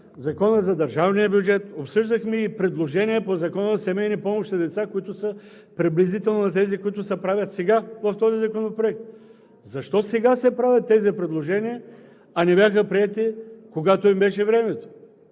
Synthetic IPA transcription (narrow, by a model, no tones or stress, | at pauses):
zɐkɔnəzɐd̪ɐɾʒavnijəbjud͡ʒɛt̪opsɤʒd̪əxmiːpɾɛd̪lˠoʒɛniɛpozɐkɔnəzɐsɛmɛjnipɔmoʃt̪zɐd̪ɛt̪sakoit̪ʊsə | pɾiblizit̪ɛlˠnonɐt̪̬ɛzikʊit̪ʊsɛpɾavʲət̪sɛɡavɐft̪ɔzizɐkonopɾoɛk̚t̪̚ | zɐʃt̪ɔsɛɡasɛpɾavʲɐt̪ːɛzipɾɛd̪lˠoʒɛniə | ɐnɛbʲjaxəpɾiɛt̪ikoɡat̪oimbɛʃɛvɾɛmɛt̪o̥